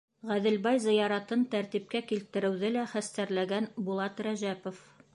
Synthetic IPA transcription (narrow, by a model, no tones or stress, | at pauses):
ʁæðɘ̆lbɑjzɤ̆jɑɾɑt̪ɤnt̪æɾt̪ip̚kækilt̪ɘ̆ɾɘ̆wðɘlæχæst̪æɾlæɡænbulˠɑt̪ɾæʑæpŏf